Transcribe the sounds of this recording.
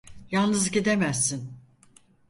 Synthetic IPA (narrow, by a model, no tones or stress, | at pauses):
jalˠnɯzɟid̪emæsːin